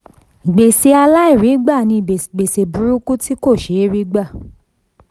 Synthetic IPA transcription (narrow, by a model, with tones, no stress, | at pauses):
ɡ͡be˨se˧a˧la˦i˦˨ɾi˨˦ɡ͡ba˦˨nĩ˧˨ɡ͡be˨se˨bu˨˦ɾu˦ku˦ti˦ko˦˨ʃe˨˦ɾi˦ɡ͡ba˦˨